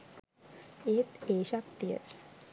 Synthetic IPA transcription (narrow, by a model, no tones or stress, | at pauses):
et̪eɕakt̪ijə̰t̪